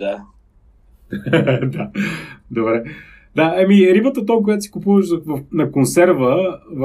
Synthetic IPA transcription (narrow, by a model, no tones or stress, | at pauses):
d̪a | d̪ad̪obɾɛ | d̪aɛmiɾibət̪ət̪ɔmkoʊjat̪ʊsi̥kʊpuvəʃvɐfnɐkonsɛɾvəv